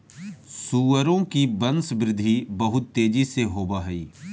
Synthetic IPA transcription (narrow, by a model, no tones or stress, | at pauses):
suːəɾõkibɐ̃nsbɾɪd̪ʱibɐɦʊt̪ːeːd͡ʒiseɦoːbaɦɛiː